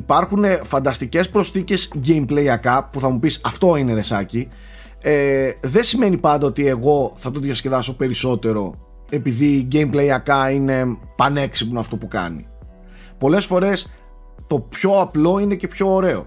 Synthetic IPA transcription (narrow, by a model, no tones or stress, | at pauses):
ipɐɾxune̞fɐnd̪ɐst̪ice̞spɾo̞sθice̞zɟejmpleiɐkɐpuθɐmupisɐft̪o̞ine̞ɾe̞sɐci | eðe̞nsime̞nipɐnd̪ɐot̪ie̞ɣo̞θɐt̪oðjɐsce̞ðɐso̞pe̞ɾiso̞t̪e̞ɾo̞ | e̞piðiɟe̞jmpleiɐkɐine̞ | pɐne̞ksipnoɐft̪o̞pukɐ̰nḭ | po̞le̞sfo̞ɾe̞s | t̪o̞pço̞ɐplo̞ine̞ce̞pço̞ːɾe̞o̞̰